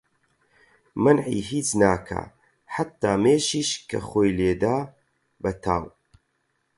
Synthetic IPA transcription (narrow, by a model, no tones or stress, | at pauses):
mɐnʕḭːɦiːt͡snaːkʰa̰ | ħat̪ːaːmeːʃiːʃkʰɐ̰xoːjleːd̪aː | bɐt̪ʰaːw